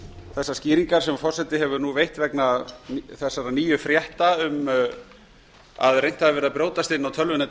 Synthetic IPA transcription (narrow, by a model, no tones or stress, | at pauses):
θɛsːasciːɾiŋkaɾ̥sɛmafɔr̥sɛt̪ɪɦɛvʏɾnuvejht̪vɛknaθɛsːaɾaniːjʏfɾjɛht̪aʏm | a̰ðrejn̥t̪haðɪvɛɾɪðapɾjoːwt̪ast̪ɪnːawt̪ʰœlvɪnɪ